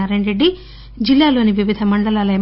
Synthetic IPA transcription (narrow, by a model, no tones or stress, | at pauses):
aɾeɳɾeɖːi | d͡ʒilːaːloːniʋiʋid̪ʱɐmɐɳɖɐlaːlɐe